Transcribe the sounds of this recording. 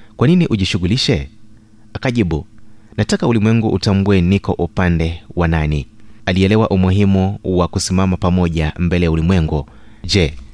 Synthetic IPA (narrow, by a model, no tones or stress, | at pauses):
kwaniniʔuʄiʃuɣuliʃɛ | akaʄiɓunatakaulimwɛŋɡuʔːtambuɛnikɔʔupandɛwananialiɛlɛwaʔumuɦimuwakusimamapamɔʄambɛlɛjaulimwɛŋɡu | ʄɛ